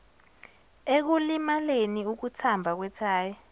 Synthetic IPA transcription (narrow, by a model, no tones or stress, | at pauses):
ek̬ulimaleniuk̬utʰambʱak̬wɛtʰaːjɛ